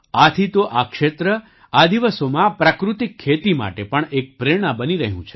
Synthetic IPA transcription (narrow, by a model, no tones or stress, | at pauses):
at̪ʰit̪oʔakʃet̪ɾə | ad̪iʋəsomãpɾakɾut̪ikʰːet̪ima̰ʈepəɳek̚pɾeɽ̃abəniɾəɦjũt͡ʃʰe